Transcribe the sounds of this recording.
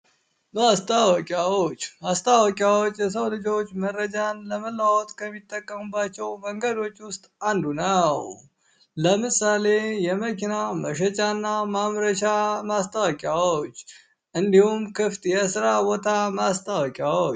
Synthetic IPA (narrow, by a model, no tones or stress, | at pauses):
mast̪ʼʰəwɔkʼjawot͡ʃːmast̪ʰʼawɔkʼjawot͡ʃːjɛs̬əwlɨd͡ʒo̞t͡ʃːmərːəd͡ʒanləməlːawɔt̪kʰəmːit̪ʼːəkʼːəmubːat͡ʃːɛwməŋɡəd̪o̞t͡ʃːwʊst̪ʼand̪unəw | ləmɨsale̞jɛməkʰinaməʃət͡ʃʼanːamamɾəʃamast̪ʰʼəwɔkʼjawot͡ʃː | ʔɨnd̪ihumkʰɨft̪ʼjɛsɨɾawɔt̪ʰamast̪ʼawɔkʼjawot͡ʃː